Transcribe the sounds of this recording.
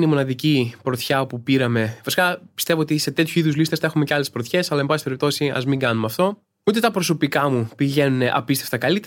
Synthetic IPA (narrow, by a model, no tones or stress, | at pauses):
nimo̞nɐðicipɾot̪çɐopupiɾɐme̞fisi̥kɐpist̪e̞voot̪iset̪e̞t̪çuiðuzlist̪esθe̞xumeceɐle̞spɾot̪çe̞sɐlɐembɐsipeip̚t̪o̞siɐ̰zmiŋɡɐnumɐft̪o̞ | ut̪e̞t̪ɐpɾo̞so̞pikɐmupiʝe̞nune̞ʔɐpist̪eft̪ɐkɐlit̪